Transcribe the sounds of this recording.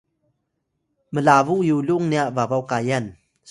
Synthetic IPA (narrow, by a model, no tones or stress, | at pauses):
məlaːvuʔjuluŋniaʔvavawkaːjan | s